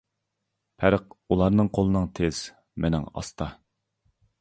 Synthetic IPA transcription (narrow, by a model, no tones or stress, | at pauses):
pʰæɾəqulˠɑɾnɨŋqʰolˠɨnɨŋt̪ʰez̥ | menɪ̰ŋɑ̰st̪ʰɑ